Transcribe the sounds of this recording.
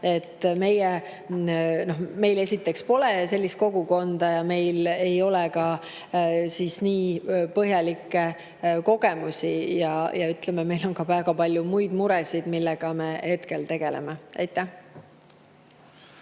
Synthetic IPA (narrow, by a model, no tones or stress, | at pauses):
e̞t̪ːˑme̞je | no̞hme̞jle̞sʲit̪ːˑe̞kspo̞le̞se̞lʲːist̪̚ko̞ɡuko̞nd̪̥ɑjɑme̞jle̞jo̞lɛkɑ | sisniːpɤɦjɑlikːˑe | ko̞ɡe̞musʲijɑjɑyt̪lememe̞jlo̞nkɑvæːɡɑpɑlʲjumujd̪̥muɾɛsid̪milːɛɡ̥ɑme̞he̞t̪ke̞lt̪e̞ɡ̥e̞̰lḛmeḛjt̪ːˑæh